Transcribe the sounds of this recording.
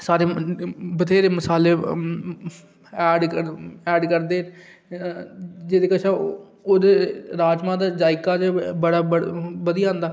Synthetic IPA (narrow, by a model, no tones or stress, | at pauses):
saːɾeːbət̪eːɾeːməsaːleː | ɛːɖəɛːɖkəɾd̪eː | d͡ʒeːd̪eːkəʃʰaː | oːd̪eːɾaːd͡ʒmãːd̪aːd͡ʒaːɪkaːd͡ʒ̪ebəɽaːbəbəd̪ijãːnd̪aː